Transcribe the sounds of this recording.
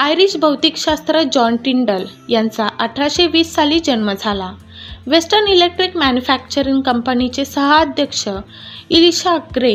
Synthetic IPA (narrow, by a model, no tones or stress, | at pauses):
ajɾiɕbʱəwt̪ikɕast̪ɾəd͡ʑɔnʈiɳɖəl | jãnt͡saʔəʈʰaɕeʋiːsːaliːd͡ʑənməd͡zʱala | ʋesʈəɾnilek̚ʈɾikmænjufæk̚t͡ɕəɾiŋɡkəmpənit͡sesəɦəad̪ʱjəkʂə | iliɕaɡɾe